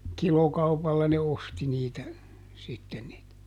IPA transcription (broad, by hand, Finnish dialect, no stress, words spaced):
kilokɑupɑlːɑ ne osti niːtæ sitːen niːtæ